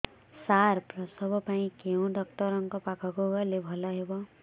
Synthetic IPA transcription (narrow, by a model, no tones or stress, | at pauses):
saɾprʌsʌbʱɔpaɽ̃ĩkeũɖɔkʈʌɾɔŋkɔpakʰʌɡoɡalebʱɔlaɦebɔ